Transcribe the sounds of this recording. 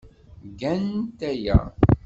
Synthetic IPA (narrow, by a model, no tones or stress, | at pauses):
ɡænt̪æjæ̰